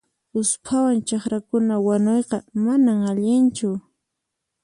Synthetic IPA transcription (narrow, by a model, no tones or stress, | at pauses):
ʊspʰawant͡ʃɑχɾakʊnawanojqɑmanaŋaʎɪnt͡ʃʊ